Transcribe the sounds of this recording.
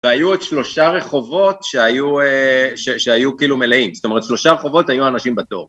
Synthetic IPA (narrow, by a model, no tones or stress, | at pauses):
veajued̪ʃlo̞ʃaʁe̞χo̞vo̞t̪ʃeajueʃeʃeajukiilume̞leimstome̞ʁ̞et̪ʃlo̞ʃaʁeχo̞vo̞thajuanaʃimbato̞̰ʁ